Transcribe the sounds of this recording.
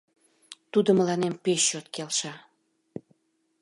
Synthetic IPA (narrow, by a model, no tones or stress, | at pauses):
t̪ud̪əməlɑnempeʃːot̪kelʃɑ